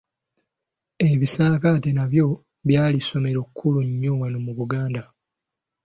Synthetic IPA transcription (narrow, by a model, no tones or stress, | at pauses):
e̞βisaːkatenaβjo̞ | βjaːliso̞me̞ɾo̞kʰːuluɲːo̞wanomuβuɡaːnda